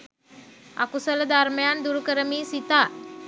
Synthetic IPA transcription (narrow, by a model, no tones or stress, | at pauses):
a̰kusələd̪aɾmjand̪uɾkəɾəmiːsit̪a